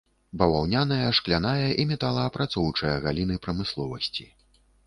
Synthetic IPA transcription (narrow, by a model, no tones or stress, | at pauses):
bɐvawnʲanɐjɐʂklʲanajɐʔimʲɛt̪alˠɐːpɾʔat̪sɔwt͡ʂɨjɐɣalʲin̪ɨpɾɐmɨslˠɔvɐsʲt͡sʲi